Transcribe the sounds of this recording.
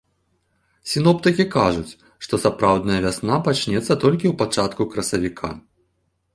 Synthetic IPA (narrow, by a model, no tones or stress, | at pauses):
sʲinɔpt̪ɨkʲikaʐut͡sʲ | ʂt̪ɔsapɾawd̪nɐjɐvʲasnapat͡ʂnʲɛt̪sːɐt̪ɔlʲkʲiwpat͡ʂat̪kukɾɐsɐvʲikʰa̰